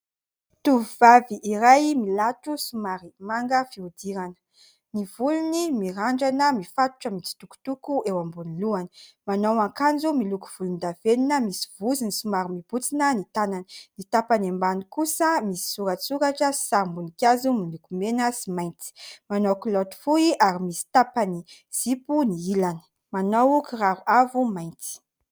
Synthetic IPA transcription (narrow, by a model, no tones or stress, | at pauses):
t̪uvvaviʔiɾajmilaʈ͡ʂusumaɾimaŋɡəfiud̪iɾanə̥ | nivulunimiɾaɳɖ͡ʐanəmifat̪u̥ʈ͡ʂəmit͡si̥t̪uku̥t̪ukuewambuniluanə̥ | manowaŋkand͡zumiluku̥v̥ulund̪aveninəmisi̥v̥uzinisumaɾimib̥ut͡sinənit̪ananə̥nit̪apanembanikusəmisi̥suɾat͡suɾaʈ͡ʂəsi̥saɾmbunikʲazumilukumenəsimajnt͡si̥manowkulot̪u̥fuiaɾimisi̥t̪apani | z̥ipuniilanə̥ | manowukiraɾuavumajnt͡si̥